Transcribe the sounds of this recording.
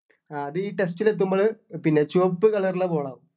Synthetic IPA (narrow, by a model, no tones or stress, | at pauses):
aɐðɨiːʈesʈilet̪̬ːumbɐɭɨpinːe̞t͡ɕoːpːɨkɐɭɐrɭɐpo̞ːɭɐːʋ